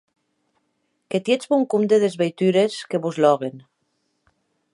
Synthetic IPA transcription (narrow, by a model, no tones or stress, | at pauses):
ket̪jet͡sβuŋkumd̪eðezβejt̪yɾeskeβuzlɔɣ̞en